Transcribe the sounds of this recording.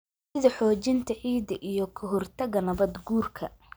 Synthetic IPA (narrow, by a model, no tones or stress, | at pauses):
sɪðɐħɔːt͡ʃɪnt̪ʰɐʕiːd̪ɐʔijɔkʰɔɦɔrt̪ʰɐɣɐnɐβɐd̪ɡuːrkʰɐ̰